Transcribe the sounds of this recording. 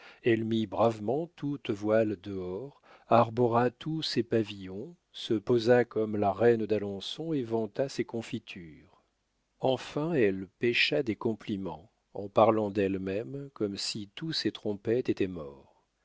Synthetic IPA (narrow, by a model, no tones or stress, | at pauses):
ɛlmibʁavmɑ̃t̪ut̪vwald̪əɔʁ | aʁbɔʁat̪ʰusepavijɔ̃ | səpozakɔmlaʁɛnd̪alɔ̃sɔ̃evɑ̃t̪asekɔ̃fit̪ʰyːʁ | ɑ̃fɛ̃ɛlpɛʃad̪ekɔ̃plimɑ̰̃ | ɑ̃paʁlɑ̃d̪ɛlmɛmkɔmsit̪uset̪χɔ̃pɛt̪et̪ɛmɔʁ